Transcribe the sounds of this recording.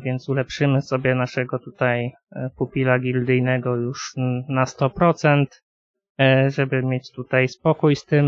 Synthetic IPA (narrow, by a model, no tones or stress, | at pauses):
vʲjɛnt̪sulɛpʂɘmɘsɔbʲjɛnaʂɛɡɔt̪ut̪aj | pupʲilaɡʲild̪ɘjnɛɡɔjuʂnast̪ɔpɾɔt̪sɛnt̪ | ʐɛbɘmʲjet͡ɕt̪ut̪ajspɔkujst̪ɘm